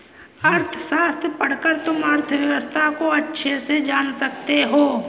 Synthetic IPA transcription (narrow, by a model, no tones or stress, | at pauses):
ɐɾt̪ʰəʃaːst̪ɾpɐɽ̤kəɾt̪ʊmɐɾt̪ʰəʋjɐʋəst̪ʰakoɐtːʃʰesed͡ʒaːnsɐk̚t̪eɦoː